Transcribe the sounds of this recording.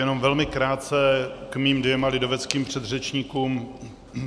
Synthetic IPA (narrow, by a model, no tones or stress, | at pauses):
jɛno̞mvɛlmɪkɾaːt̪t͡sɛkmiːmdvɛmalɪdo̞vɛt͡skiːmpr̝̥ɛd̪r̝ɛt͡ʃɲikuːm